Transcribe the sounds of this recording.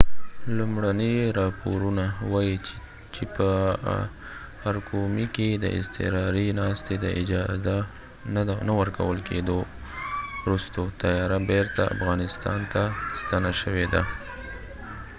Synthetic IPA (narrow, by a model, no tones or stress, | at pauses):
lumɽaniɾɑpoɾunawɑi | t͡ʃepə | aɾkʰomiked̪ə̰ʔɪ̰st̪ɪ̰ɾɑɾinɑst̪ed̪əʔɪd͡ʒɑza | nawəɾka̰wəlkʰḛd̪o | wɾust̪ot̪ajɑɾabeɾt̪aa̰fɣɑnɪst̪ɑ̰nt̪ast̪anaʃəwed̪a